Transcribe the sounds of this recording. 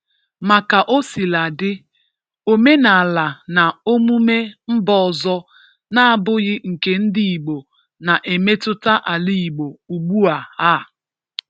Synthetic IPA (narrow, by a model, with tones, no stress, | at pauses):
ma˨ka˨ʔo˦si˨la˨dɪ˦ | o˨me˦na˨la˨na˨o˦mu˦me˦m̩˦bɔ˦ɔ˨zɔ˦ | na˦a˦bʊ˦ɣɪ˦ŋ̩˨ke˨n̩˦di˦i˨ɡ͡bo˨ | na˨ʔe˨me˦tʊ˦ta˦ʔa˨li˦i˨ɡ͡bo˨u˨ɡ͡bu˦a˨a˦˨